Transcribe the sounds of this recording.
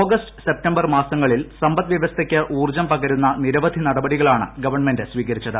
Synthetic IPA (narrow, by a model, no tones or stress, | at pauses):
oːɡɐstɨ̥se̞p̚tɐmbɐrmaːsɐŋːɐɭilsɐmbɐt̪ːʋjɐʋɐst̪ʰɐkʲːɨʔuːrd͡ʑɐmpɐɣɐɾunːɐniɾɐʋɐd̪ʱinɐɽɐbɐɽiɣɐɭaːɳɨ̰ɡɐʋɐrɳmendɨsʋiːkɐɾit͡ɕːɐðɨ